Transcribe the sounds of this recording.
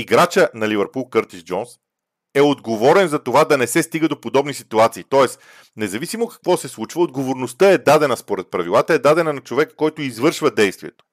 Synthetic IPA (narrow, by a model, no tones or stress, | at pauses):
iɡɾat͡ʃənɐlʲivɛɾpulˠkəɾt̪iʃd͡ʒɔns | ɛod̪ɡovɔɾɛnzɐt̪ovad̪ɐnɛsɛst̪iɡəd̪opod̪ɔbnisit̪uat̪siːt̪ɔɛs | nɛzɐvisimokɐ̥kvɔsɛslˠut͡ʃvəod̪ɡovoɾnost̪əɛd̪ad̪ɛnɐspoɾɛt̪̚pɾɐvilˠat̪əɛd̪ad̪ɛnɐnɐt͡ʃovɛkkːɔjt̪oizvɤɾʃvəd̪ɛjst̪vʲiɛt̪o̥